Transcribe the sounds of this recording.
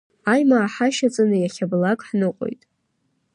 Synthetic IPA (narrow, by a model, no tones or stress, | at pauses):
ajmaːħaʃat͡sʼanɨjaχʲablakʼħnɨqʼo̰jtʼ